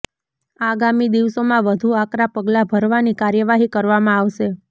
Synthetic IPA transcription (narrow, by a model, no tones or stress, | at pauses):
aɡamid̪iʋsomãʋəd̪ʱuakɾapəɡlabʱəɾʋanikaɾjəʋaɦikəɾʋamãaʋʃe